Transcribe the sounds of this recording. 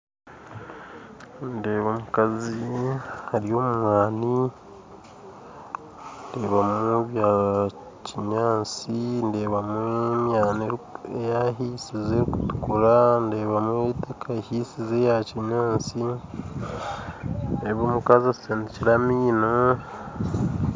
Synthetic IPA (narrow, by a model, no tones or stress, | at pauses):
nde̞ːβomukazihaɾijo̞ːmumwaːni | nde̞ːβameβja | ciɲaːt͡sinde̞ːβamueɲaːneejaɦiːsizeɾiku̥tu̥kuɾande̞ːβamuetakʰahiːsizejaciɲaːt͡si | eβomukazaseniciɾamiːna